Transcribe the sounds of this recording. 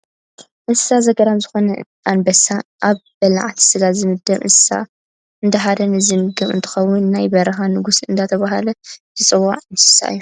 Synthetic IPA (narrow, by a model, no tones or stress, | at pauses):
ʔɨnssazɐɡɐɾamzɨxo̞nɐ | ʔanbɐsaʔaβ | bɐla̰ʕt̪ʰi̥sɨɡat̪zɨmɨd̪ːɐmʔɨ̰nsɨ̥sa̰ | ɨnd̪ɐħad̪ɐnɨzimɨɡɐmɨ̰nt̪ʰɨ̥xɐwːʊnːajbɐɾɐxanɨɡusɨnd̪at̪ʰɐβaɦalɐzɨt͡sʼɨwːa̰ʕɨnssa̰ʔɨ̰jːu